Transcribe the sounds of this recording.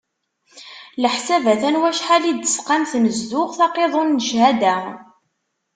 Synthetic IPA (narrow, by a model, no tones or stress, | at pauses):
ləħsævæθænwæʃħalid̪ə̥sqamθməzd̪ʊʁθɑqeðˤʊnːəʃɦæd̪æ